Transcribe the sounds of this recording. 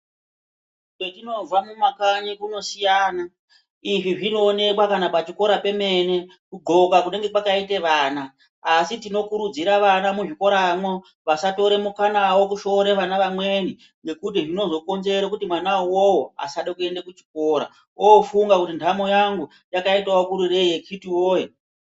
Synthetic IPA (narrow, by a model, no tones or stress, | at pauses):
ketino̞zwamumakaɲikuno̞sijaːna | iʐiʐino̞ːne̞kwakanapat͡ʃiko̞ɾape̞me̞ne̞ | kuɡ͡ǃo̞kakune̞ŋɡe̞kwakaiteʋaːnaː | sitino̞kuɾud͡ziɾaʋanamuʐiko̞ɾamo | ʋasato̞ɾe̞mukanawo̞kuʃo̞ɾeʋanaʋamwe̞ni | ŋɡe̞kut̬iʐino̞zo̞ko̞nze̞ɾokutimwanauwowoa̰saɗekue̞ndakut͡ʃi̥ko̞ːɾa̰ | oːfuŋɡakutintʰamo̞jaŋɡu | jakaitaokuɾure̞jekʰitiwoːje